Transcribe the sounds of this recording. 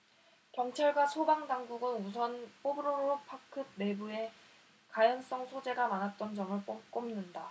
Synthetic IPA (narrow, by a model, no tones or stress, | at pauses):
kjʌŋt͡ɕʰʌɭɡwasʰobaŋdaŋɡuɡɯnus̬ʰʌnp͈obɯɾoɾopʰakʰɯb̚ne̞bue̞ | kajʌns͈ʌŋsʰod͡ʑe̞ɡamanɦat̚t͈ʌnd͡ʑʌŋɯɭp͈ok͈omnɯnda